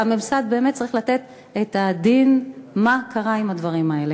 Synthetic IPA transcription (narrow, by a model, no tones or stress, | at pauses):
amemsad̪̚be̞emet̚t͡saʁiχlat̪e̞t̪ | et̪ad̪inmakʰaʁaimad̪vaʁimae̞le̞